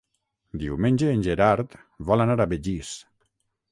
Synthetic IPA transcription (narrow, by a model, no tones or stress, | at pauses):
d̪iwmenʲd͡ʒeːnʲʒeɾaɾt̪ | βɔlanaɾaβeʎis